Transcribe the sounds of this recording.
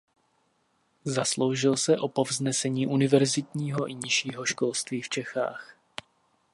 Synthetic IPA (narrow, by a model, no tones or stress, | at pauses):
zaslowʒɪlsɛʔo̞po̞vznɛsɛɲiːʔunɪvɛɾzɪt̪ɲiːɦo̞ʔɪɲɪʃiːɦo̞ʃko̞lst̪viːft͡ʃɛxa̰ːx